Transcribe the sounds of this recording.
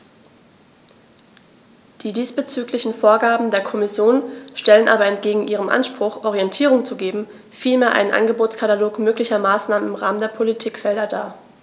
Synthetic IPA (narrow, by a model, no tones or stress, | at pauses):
d̥iːdiːsb̥ət͡syːklɪçn̩foːɐɡaːbm̩deːɐkʰɔmɪsjoːnʃtɛlənʔaːbɐɛntɡ̥eːɡŋ̩ʔiːʁəmʔa̰nʃpʁ̥ʊxʔɔʁ̞iɛntʰiːʁ̞ʊŋt͡suɡeːbm̩ | fiːlmeːɐʔa̰ɪnənʔa̰nɡəboːtt͡skʰataloːkmøːklɪçɐmaːsnaːmənɪmʁaːməndeːɐpʰolitʰiːkfɛldɐdaː